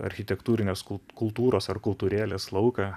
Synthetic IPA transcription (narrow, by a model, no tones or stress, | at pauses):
ɐ̰ɾʲxʲɪt̪ʲɛkt̪uːɾʲɪnʲeːskʊkʊlˠt̪uːɾoːsɐɾkʊlˠt̪uːɾʲæːlʲeːslˠɒʊkɐ